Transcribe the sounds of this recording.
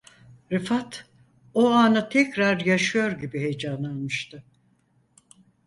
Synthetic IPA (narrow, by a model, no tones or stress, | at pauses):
ɾɯfat̪ | oanɯt̪ʰɛcɾaɾjaʃɯjo̞ɾɟibihejd͡ʒanalˠmɯʃt̪ɯ